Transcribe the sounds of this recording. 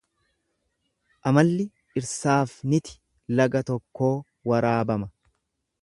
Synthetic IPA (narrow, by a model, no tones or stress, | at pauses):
ʔɐmɐlːɪ | ʔɪɾsaːfnɪt̪ɪ̥ | lɐɡɐt̪ɔkːo̞ː | wɐɾaːbɐmɐ